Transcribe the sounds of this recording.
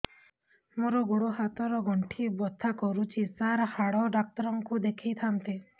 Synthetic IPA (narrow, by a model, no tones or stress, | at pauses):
moɾɔɡoɽoɦat̪ɔɾɔɡʱɔɳʈʰibɔt̪ʰːakɔɾut͡ʃʰisaɾhaɽɔɖak̚t̪ɔɾɔŋkud̪ekʰijt̪ʰant̪e